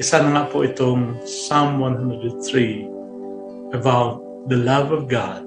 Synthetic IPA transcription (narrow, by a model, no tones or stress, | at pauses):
ʔɪsanaŋaʔpʊʔɪt̪ʊŋsamwãnɦãndɾədnθɹi | əbawt̪̚ | ðəlʌvɔvɡa̰d̚